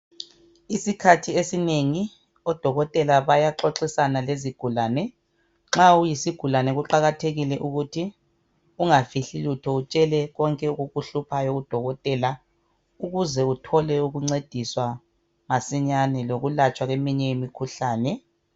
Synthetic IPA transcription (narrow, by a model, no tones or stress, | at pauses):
isikʰatʰiesineŋi | ɔd̥ʱɔɣɔtʼɛlaβajaǁoǁisanaleziɡ̥ʱulaːnɛ | ŋ͡ǁaujisiɡ̥ʱulanɛɣuǃaɣatʰeɣilɛʔuɣutʰi | uŋafiɬilutʰɔut͡ʃʼɛlɛɣɔŋkʼɛuɣuɣuɬupʰajɔɣud̥ʱɔɣɔtʼɛːla | uɣuzɛutʰɔlɛuɣuŋ͡ǀed̥ʱiswa | masiɲanɛloɣulat͡ʃʼwaɣemiɲɛjimikʰuɬaːnɛ